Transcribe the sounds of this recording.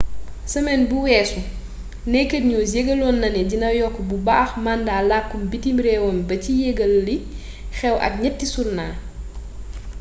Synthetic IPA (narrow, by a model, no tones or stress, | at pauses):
sɐmɛnbuwɛːsu | nɛkətɲusjeɡɐlɔnːɐnɛɟinɐjɔkːɔbubaːxmandaːlakːumbitimɾɛwɔnbɐcijeɡɐlːi | xɛwʔɐ̰k̚ɲɐtːisurnaː